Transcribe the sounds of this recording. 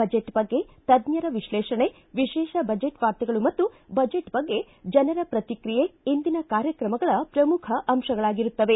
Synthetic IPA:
bɐd͡ʒeʈbɐɡːe̞ | t̪ɐd̪ɲjɐɾɐʋiʃleːʃɐɳe | ʋiʃɛːʃɐbɐd͡ʒeʈʋaːɾt̪ɐɡɐɭumɐt̪ːubɐd͡ʒeʈbɐɡːe̞ | d͡ʒɐnɐɾɐpɾɐt̪ikɾijeind̪inɐkaːɾjɐkɾɐmɐɡɐɭɐpɾɐmukʰɐʔɐmʃɐɡɐɭaːɡiɾut̪ːɐʋe̞

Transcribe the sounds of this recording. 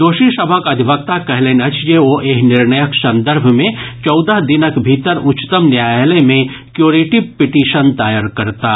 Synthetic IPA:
d̪oːʃisɐbʱakɐd̪ʱibək̚t̪akɛɦleːnɐt͡ʃjeoʔeːɦnɪɾnəjəksɐ̃nd̪əɾbʱmẽt͡ʃɔːd̪əɦd̪ɪnəkbʱiːt̪əɾʊt͡ʃt̪əmnjaːjlemẽ | kjoːɾeʈipɪʈiːʃənt̪aːjaɾkɐɾt̪aː

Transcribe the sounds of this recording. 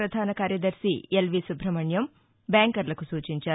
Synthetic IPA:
ɾɐd̪ʱaːnɐkaːɾjɐd̪ɐɾʃḭelʋisubʱɾɐmɐɳjɐm | bjaːŋkɐɾlɐkusuːt͡ʃiɲt͡ʃaː

